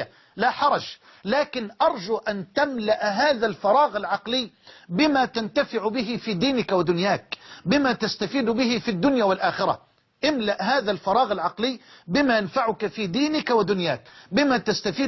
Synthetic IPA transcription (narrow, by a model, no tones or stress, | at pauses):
a | laħɑɾˤɑd͡ʒ | laːkɪnʔɑɾˤd͡ʒuʔant̪amlaʔɦaːðalfɑɾˤɑːɣalʕɑqlɪːbɪmat̪ant̪afɪʕbɪɦɪfiːd̪iːnɪkwɪd̪ʊnjaːkbɪmat̪ast̪afiːd̪bɪɦɪfid̪ːʊnjaːwɪlʔaːxɪɾa̰ | ʔɪmlaʔɦaːðalfɑɾˤɑːɣalʕɑqlɪːbɪmajanfaʕʊkafiːd̪iːnɪkwɪd̪ʊnjaːkbɪmat̪ast̪afiː